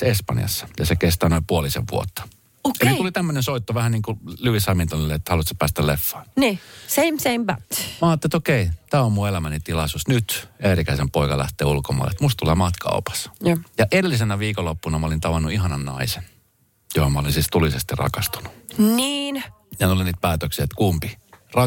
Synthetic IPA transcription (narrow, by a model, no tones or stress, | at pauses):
sespɑ̰njɑ̰sːɑ̥jɑsekest̪ɑːnoimpuolisḛʋʋṵo̰t̪ːɑ̥ | oiulit̪æmːønensoit̪ːoʋæhænniːŋkulyʋisɑmint̪onilːeet̪ːhɑlut̪se̥pæːst̪ælefːɑ̥ːnniseɪ̃msẽɪ̃mbætmæɑːt̪ːeet̪okeit̪æːommuelæmænit̪ilɑsusnyt̪erikæisempoikɑlæ̰ht̪eːulkomɑ̰lḛet̪must̪t̪uleːmɑt̪kɑ̰opɑ̥sjɑʔeɾelːisenæʋiːkolːopːunɑmɑolint̪ɑʋɑnːuiɦɑnɑnnɑ̰isen | johomɑolinsiːst̪ulisest̪irrɑ̰kɑst̪u̥nu̥niːn | jɑnt̪uliniːt̪̚pæːt̪øksiet̪kumpirɑ